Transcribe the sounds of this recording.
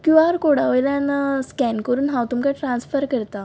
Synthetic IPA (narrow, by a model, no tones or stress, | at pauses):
kũʋaɾkoɽaʋəjlanaskɛnkəɾuːnɦãwt̪umkaʈɾãnsfəɾkəɾt̪a